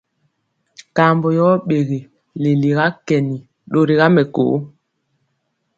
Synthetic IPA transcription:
ka˨mbɔ˨jɔ˦ɓe˨ɣe˨ | le˨li˨ɣa˦kɛ˨ni˨ | ɗo˦ɾi˨ɣa˦mɛ˨ko̰ː˨˦

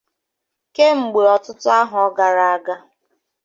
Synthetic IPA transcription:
ke˦ŋ͡m̩˨ɡ͡be˨ɔ˨tʊ˦tʊ˦a˦ɦʊ˨ɔ˦ɡa˨ɾa˨a˦ɡa˦

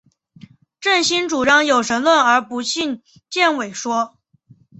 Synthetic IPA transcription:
ʈ͡ʂə˥˩nɕi˥nʈ͡ʂu˨˩ʈ͡ʂɑ˥ŋjo˨˩ʊʂə˧˥nlwə˥˩nə˞˧˥pu˧˥ɕi˥˧n | t͡ɕjɛ˥˩nwe˨˩ɪʂwɔ˥

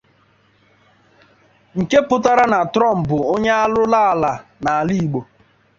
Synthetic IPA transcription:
ŋ̩˨ke˦pʊ˦ta˦ɾa˦na˨tɾɔ˦˨m̩˨bʊ˨o˦ɲa˦a˦lʊ˦la˦˨la˨na˨a˨li˦i˨ɡ͡bo˨

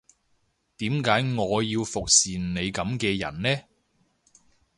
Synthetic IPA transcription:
t̪iː˨˥mkaː˨˥jŋɔː˨˧jiː˧wfʊ˨k̚siː˨nne˨˧jkɐ˨˧˥mkɛː˧jɐ̰˨˩nnɛː˥

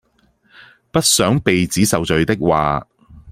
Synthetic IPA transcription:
pɐ˥t̚sœː˨˥ŋpe˨jt͡siː˨˥sɐ˨wt͡ʃɵ˨ɥt̪ɪ˥k̚wa̰ː˨

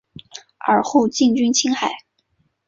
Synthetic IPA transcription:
ə˞˨˩xu˥˧ʊt͡ɕi˥˩ŋt͡ɕy˥nt͡ɕʰi˥ŋxa˨˩˦ɪ

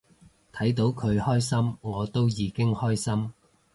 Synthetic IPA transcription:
t̪ʰɐ˨˥jt̪o˨˥wkʰɵ˨˧ɥhɔː˥jsɐ˥mŋɔː˨˧t̪o˥wjiː˨˧kɪ˥ŋhɔː˥jsɐ˥m

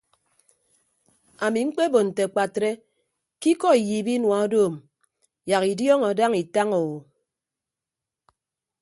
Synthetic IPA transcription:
a˨mi˨ŋ͡m̩˦k͡pe˦bo˨n̩˨te˨k͡pa˨tɾe˦ | ki˦kɔ˦i˨jiː˨bi˦nwa˨o˦doː˦˨m | ja˨ki˨djɔ˦ŋɔ˨da˦ŋi˨ta˦ŋo˨wo˨

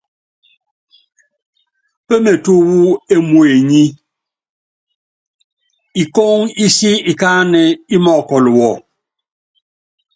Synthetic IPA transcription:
pe˦me˨tu˦wu˦e˦mu˨e˨ɲi˦ | i˨ko˦ŋi˦si˦i˨ka˦nɛ˨i˦mɔ˦˨kɔ˨lwɔ˨

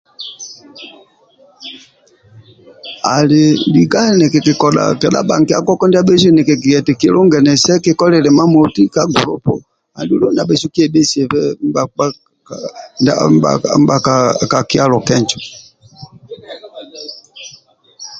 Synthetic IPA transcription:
a̰˨le˨di˨ɡa˦ɛ˦nɛ˨kɛ˨ki˨kɔ˨ɗa̰˨kɛ˨ɗa̰˦ɓa̰˨ŋ˨ki˦a̰˦kɔ˦kɔ˦ndi˦a˦ɓe˦s̬wɛ˦˨nɛ˨kɛ˨ki˨ɡɛ˨tɛ˨ke˨˦lɔ˦ŋɡɛ˨nɛ˨sɛ˦ke˦˨kɔ˦lɛ˨lɛ˨ma˦mo˨ti˦ka˦ɡu˨lɔ̰˦pɔ̰˨ | a˨du˦lɔ˦na˨ɓɛ˦˨su˦ki˦ɛ˨ɓe˦si˨ɛ˨ɸɛ˦m˦ba˨a˦˨ | na̰˦m˦ba̰˨m˦ba˨ka˨ka˨ki˦a˦lɔ˨kɛ˦nt͡ʃɔ˨

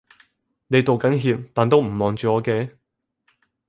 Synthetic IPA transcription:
ne˨˧jt̪o˨˩wkɐ˨˥nɦiː˧p̚t̪aː˨nt̪o˥wm̩˨˩mɔː˨˩ŋt͡ʃyː˨˧ɔː˨˧kɛː˧

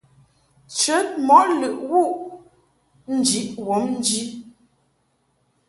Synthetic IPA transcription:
t͡ʃə˨˦t̚mɔ˨˦ʔlʉ˨ʔwu˦˨ʔ | n̩˦˨d͡ʒi˨˦ʔwɔ˨˦mn̩˦d͡ʒi˦

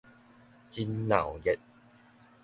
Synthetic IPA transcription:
t͡ɕi˦nla̰˨˩wjɛ˧˩t̚

